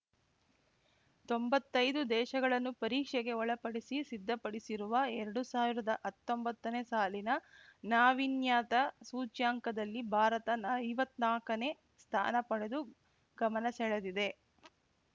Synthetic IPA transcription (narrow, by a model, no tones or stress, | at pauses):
t̪o̞mbɐt̪ːɐjd̪ud̪ɛːʃɐɡɐɭɐnːupɐɾiːkʂɛɡe̞ɔɭɐpɐɽisisid̪ʱːɐpɐɽisiɾuʋɐɛɾɐɽusaːʋiɾɐd̪ɐʔɐt̪ːo̞mbɐt̪ːɐneːsaːlinɐnaːʋinjaːt̪ɐsuːt͡ʃjaːŋkɐd̪ɐlːibʱaːɾɐt̪ɐnɐːjʋɐt̪naːkɐne̞ː | st̪ʰa̰ːnɐpɐɽe̞d̪u | ɡɐmɐnɐsɛɭed̪id̪e̞